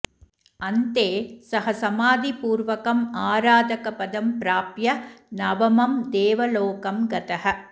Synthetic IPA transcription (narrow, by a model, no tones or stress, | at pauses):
ɐnt̪eːsɐɦɐsɐmaːd̪ipuːɾʋɐkɐmaːɾaːd̪ɐkɐpɐd̪ɐmpɾaːpjɐnɐʋɐmɐmd̪eːʋɐloːkɐmɡɐt̪ɐɦɐ